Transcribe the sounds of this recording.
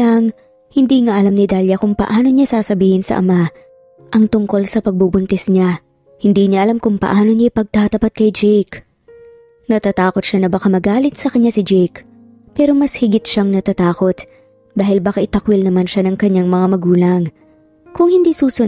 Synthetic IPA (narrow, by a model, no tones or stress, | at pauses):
aŋ | hɪnd̪iːŋaʔɐlamnɪd̪aːljɐkʊŋpɐ̰ʔaːno̞ɲasaːsɐbiːhɪnsɐ̰ʔɐ̰ma | ʔɐŋt̪ʊŋko̞lsɐpɐɡ̚bubʊnt̪ɛsɲa | hɪnd̪iːɲaʔɐlamkʊŋpɐ̰ʔaːno̞ɲajpɐɡ̚t̪aːt̪ɐpat̪̚kɐjd͡ʒɛjk | nɐt̪at̪aːko̞t̪̚ʃanɐbɐkamɐɡaːlɪt̪sɐkɐɲɲasɪd͡ʒɛjk | pɛːɾo̞mɐshɪɡɪt̪̚ʃaŋnɐt̪at̪aːko̞t̪ | d̪aːhɪlbaːkaʔɪt̪ɐkwɪlnɐmanʃanɐŋkɐɲːaŋmɐŋamɐɡuːlɐŋ | kʊŋhɪnd̪iːsuːsʊ